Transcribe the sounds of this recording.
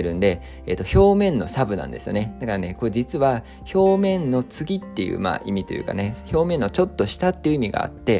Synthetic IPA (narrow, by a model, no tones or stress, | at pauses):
ɾɯ̟̃nd̪e̞ | ḛt̪ːo̞ço̞ːmẽ̞nːo̞sabɯ̟nã̰nd̪e̞sɨjo̞ne̞d̪̥akaɾane̞ko̞ed͡ʑit͡sɨβa | ço̞ːmẽ̞nːo̞t͡sɨɡʲit̪ːe̞jɯ̰ːma̰ːʔimʲit̪o̞̰jɯ̟̰ːka̰ne̞ço̞ːmẽ̞nːo̞t͡ɕo̞t̪ːo̞ɕi̥t̪at̪ːeiɯ̟imʲiɡa̰a̰t̪ːe̞